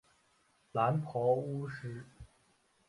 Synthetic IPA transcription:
la˧˥npʰɔ˧˥ʊu˥ʂɻ̩˥

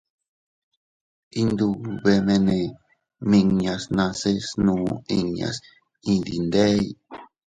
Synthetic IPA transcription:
i˧nd̪u˧βe˧mẽ˧nẽ˨ | mĩ˧ɲa˧snã˧se˦snũː˧˦i˧ɲa̰˨s | ĩ˧d̪ḭ˨nd̪e˦j

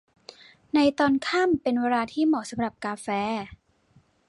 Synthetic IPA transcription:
na˧jt̪ɔː˧nkʰaː˥˩mpe˧nweː˧ɾaː˧t̪ʰiː˥˩mɔː˨˩sa˨˧˦mɾa˨˩p̚kaː˧fɛː˧

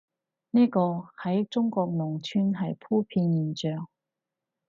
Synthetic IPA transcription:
niː˥kɔː˧hɐ˨˥jt͡sʊ˥ŋkɔː˧k̚mʊː˨˩ŋt͡ʃʰyː˥nɦɐ˨jpʰuː˥pʰiː˧njiː˨˩nt͡ʃœː˨ŋ

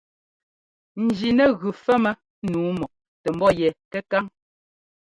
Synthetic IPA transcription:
n̩˨d͡ʒi˨nɛ˦ɣʉ˨fɛ˦mɛ˦ | nuː˨˦mɔ˨ʔ | tɛ˨m̩˦bɔ˦jɛ˨kɛ˦ka˦ŋ

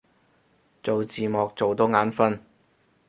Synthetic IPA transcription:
t͡so˨wt͡siː˨mɔː˨k̚t͡so˨wt̪o˨˥wŋaː˨˥nfɐ˥n

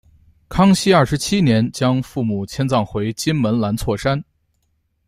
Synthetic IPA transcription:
kʰɑ˥ŋɕi˥ɐ˞˥˩ʂɻ̩˧˥t͡ɕʰi˥njɛ˧˥nt͡ɕjɑ˥ŋfu˥˩mu˨˩t͡ɕʰjɛ˥nt͡sɑ˥˩ŋxwe˧˥ɪt͡ɕi˥nmə˧˥nla˧˥nt͡sʰwɔ˥˩ʂa˥n

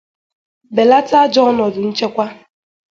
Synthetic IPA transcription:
be˨la˦ta˦d͡ʒɔ˦nɔ˨dʊ˨n̩˦t͡ʃe˦kʷa˦

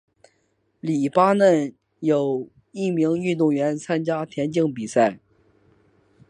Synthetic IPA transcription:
li˨˩pa˥nə˥˩n | jo˨˩ʊ | i˥˩mi˧˥ŋy˥˧t̪ʊ˥˩ŋɥɛ˧˥nt͡sʰa˥nt͡ɕja˥t̪ʰjɛ˧˥nt͡ɕi˥˧ŋpi˨˩sa˥˩ɪ

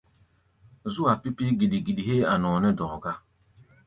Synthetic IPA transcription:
zu˦a˨pi˦pi˦ɡi˨ɗi˨ɡi˨ɗi˨ɦe˦a˨nɔ˨nɛ˦dɔ̃˨ɡa˦

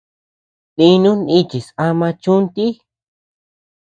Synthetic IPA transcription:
t̪ĩ˧nũ˦nĩ˦t͡ʃi˨sa˧mã˧t͡ʃũ˦nt̪i˦

